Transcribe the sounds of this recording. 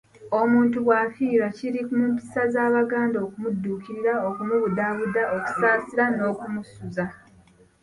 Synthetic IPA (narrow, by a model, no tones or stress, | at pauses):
o̞muːntuβwafiːɾaciɾikumumpi̥sazaːβaɡaːndo̞ːkumudːuːkiɾiɾaokumuβudaβudaʔoku̥saːsiɾano̞ːkumusuza